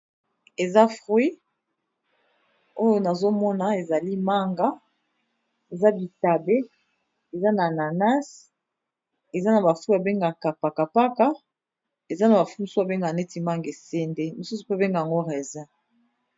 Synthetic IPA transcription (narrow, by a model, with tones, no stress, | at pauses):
e˨za˦fʁwi˦ | o˦jo˦na˨zo˦mɔ˦na˨e˨za˨li˦ma˦ŋɡa˦ | e˨za˦bi˨ta˨be˦ | e˨za˦na˨na˨na˦s | e˨za˦na˨ba˨fi˦a˨be˦ŋɡa˨ka˨pa˨ka˨pa˦ka˦ | e˨za˦na˨ba˨fu˦mi˨su˦a˨be˦ŋɡa˨nɛ˦ti˨ma˦ŋɡe˨sɛ˦nde˦mi˨su˦su̥˨pe˦˨be˦ŋɡa˨ja˨ŋɡo˦ʁe˨za˦